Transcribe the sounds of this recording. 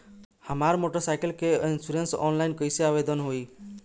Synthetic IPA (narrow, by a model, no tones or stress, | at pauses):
hamaɾmoʈɔsajkelkeinsuɾensɔ̰nlajnkɔjsiabed̪ɔnɦoj